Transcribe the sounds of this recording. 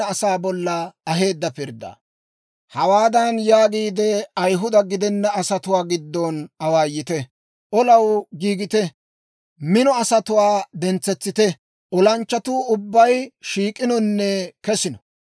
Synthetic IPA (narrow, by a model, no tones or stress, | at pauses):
ɐːsaːbɔlːɐɐɦe̞ːd̪ːɐpɪɾd̪a̰ː | hɐwaːd̪ɐnjaːɡiːd̪ɛɐjɦʊd̪ɐɡɪd̪ɛnːɐɐsɐt̪ʊwaːɡɪd̪ːɔnɐwaːjɪt̪ɛ | ʔɔlɐwɡiːɡɪt̪ɛ | mɪnɔɐsɐt̪ʊwaːd̪ɛnt͡sːɛt͡sːɪt̪ɛ | ʔɔlɐnt͡ʃːɐt̪uːʊbːɐjʃiːkʼːɪnɔnːɛkɛsɪnɔ̥